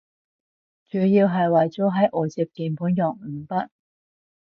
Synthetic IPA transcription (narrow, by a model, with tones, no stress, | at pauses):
t͡ʃyː˨˥jiː˧wɦɐ˨jwɐ˨jt͡sɔo˨˥ɦɐ˨˥jʔoː˨˩t͡siː˨˧p̚kiː˨˧npʰuː˨˥njɔː˨˩ŋm̩˨˩pɐ˥t̚